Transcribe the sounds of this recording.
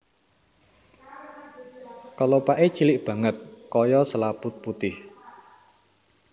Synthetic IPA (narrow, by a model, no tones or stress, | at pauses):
kalopaʔet͡ʃilɪʔb̥ä̤ŋət̪̚kɔjɔsəlab̥ʊt̪̚put̪ɪh